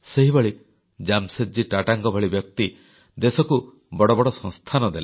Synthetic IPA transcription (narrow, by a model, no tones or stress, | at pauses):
seɦibɔɭi | d͡ʒamsed͡ʒiʈaʈaŋɡɔbʱɔɭibjɔk̚t̪i | d̪esɔku | bɔɽɔbɔɽɔsɔ̃ŋst̪ʰanɔd̪ele